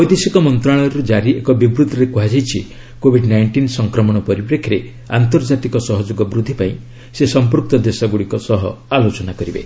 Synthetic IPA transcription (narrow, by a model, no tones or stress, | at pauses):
ɔjd̪isikɔmɔnt̪ɾaɭ̃ɔjɾud͡ʒaɾiekɔbibɾud̪ʱːɔɾekuɦad͡ʒajt͡ʃʰi | kobʱiɖnajɳʈinsɔŋkɾɔmɔɽ̃ɔpɔɾipɾekʰːiɾe | a̰nt̪ɔɾd͡ʒat̪ikɔsɔɦɔd͡ʒoɡɔbɾud̪ʱːipaĩ | sesɔmp̬uɾk̚t̪ɔd̪esaɡuɽikɔsɔɦɔalot͡ʃɔnakɔɾibḛ